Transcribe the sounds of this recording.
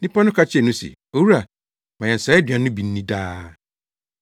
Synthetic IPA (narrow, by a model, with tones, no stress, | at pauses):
nɪ̃˦pa˦nʊ̃˦kʰa˦t͡ɕʰɪ˦ɛ˨nʊ̃˦sḭ˨ | o˨wu˦ɾa˨ | mã˨jɛ̃˨n̩˨sa˨˦ɛ˦dɥã˨nʊ̃˦bi˨n̩ː˦nĩ˦daː˦